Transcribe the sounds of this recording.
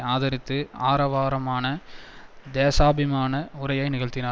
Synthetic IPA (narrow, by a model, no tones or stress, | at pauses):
aːðɐɾɪt̪ːɯaːɾɐʋaːɾɐmaːnɐ | d̪eːsaːbɪmaːnɐʊɾɐjɐɪnɪɣɐɭt̪ːɪnaː